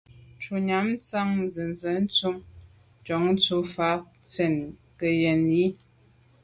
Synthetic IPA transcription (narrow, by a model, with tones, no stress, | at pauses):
nt͡ʃu˨ɲa˨˦m˦t͡sa˦ŋnzɨ˨nzɛ˨˦n̩˦t͡su˦m | t͡ʃɔ˨˦ŋn̩˦t͡su˨˦fa˨˦ | t͡sɥɛ˨n | kə˨jɛ˨nji˦